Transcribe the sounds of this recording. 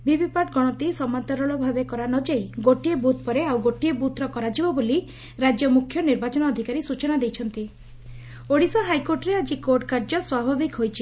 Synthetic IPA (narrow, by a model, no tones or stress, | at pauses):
bibipaʈɡɔɽ̃ɔt̪isɔmant̪aɾɔɭɔbʱabekɔɾanɔd͡ʒejɡoʈiebut̪ʰpɔɾeawɡoʈiebut̪ʰɾɔkɔɾad͡ʒibɔboli | ɾad͡ʒjɔmukʰjɔniɾbat͡ʃɔnɔːd̪ʱikaɾisut͡ʃɔnad̪ejt͡ʃʰɔnt̪i | oɽisɔɦajkoɾʈɔɾead͡ʒikoɾʈkaɾd͡ʒɔswabʱabikɦojt͡ʃʰi